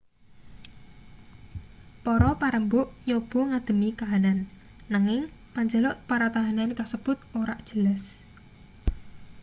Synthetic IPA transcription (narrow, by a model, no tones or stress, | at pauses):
pɔɾɔpaɾəmbʊʔjob̥ɔ̤ŋad̪̥ə̤mikaɦananː | aŋɪŋ | paɲd͡ʒəlɔʔpaɾat̪aɦanankasəb̥ʊt̪̚oɾaʔd̥ʒ̥əlas